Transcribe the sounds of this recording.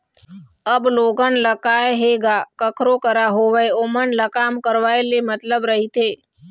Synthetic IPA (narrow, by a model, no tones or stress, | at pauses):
əbloːɡənləkaːeɦeːɡaːkəkʰɾokəɾaɦoʋəeomənləkaːmkəɾʋaːelemət̪ləbɾəɦit̪eː